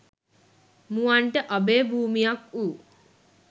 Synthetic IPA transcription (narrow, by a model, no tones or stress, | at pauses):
muwaɳʈəʔabeːbʱuːmijakuː